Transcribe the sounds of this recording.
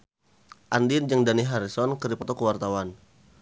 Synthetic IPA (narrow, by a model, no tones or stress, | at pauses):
ʔandind͡ʒəŋdaniɦaɾisɔnkəɾipɔt̪ɔkəwart̪awan